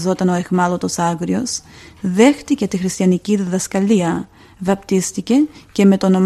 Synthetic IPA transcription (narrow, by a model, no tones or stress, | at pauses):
zo̞t̪ɐno̞e̞xmɐlo̞t̪o̞sɐɣɾio̞sðe̞xt̪ice̞t̪ixɾist̪çɐniciðiðɐskɐliɐ | vɐpt̪ist̪ice̞ce̞me̞t̪o̞no̞m